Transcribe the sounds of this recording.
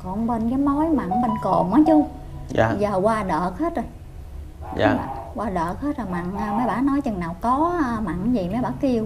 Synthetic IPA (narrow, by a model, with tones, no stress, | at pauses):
kɔ˨˩nɓe˧nkaː˨˦jmo˨˦jma̰˧˨ŋɓe˧nko˨˩mʔaː˨˦t͡ɕɨ˨˧˦ə˧ | zəː˨˩ɣwaː˧ɗəː˨˩k̚he˦˥t̚zo˨˩j | a̰˧˨˧kwaː˧ɗəː˨˩k̚he˦˥t̚zo˨˩jma̰˧˨ŋː˧ma˨˦jɓaː˧˥nɔ˨˦jt͡ɕɨ˨˩ŋnaː˨˩wkɔ˨˦˧ma̰˧˨ŋzi˨˩ma˨˦jɓaː˧˥ki˧ə˧w